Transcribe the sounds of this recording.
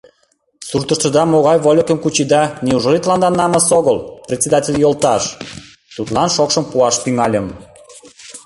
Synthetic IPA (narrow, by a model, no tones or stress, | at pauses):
surt̪ə̆ʃt̪ə̆d̪ɑmoɣɑjβolʲokə̆mkut͡ɕid̪ɑniuʒlit̪lɑnd̪ɑnːɑmɑsoɣəlprʲet̪ʲt͡sʲed̪ɑtʲelʲjolt̪ɑʃ | t̪ut̪lɑnʃokʃəmpuɑʃt̪yŋɑlʲəm